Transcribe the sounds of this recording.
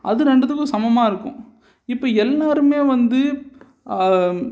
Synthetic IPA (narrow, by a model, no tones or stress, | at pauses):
ʔɐ̰ðɯɾɛɳɖɐt̪ːɯkːɯsɐmɐmaːɪɾɯkːʊ̰̃ | ɪpːoːɛlːaːɾɯmeːʋɐnd̪ɯ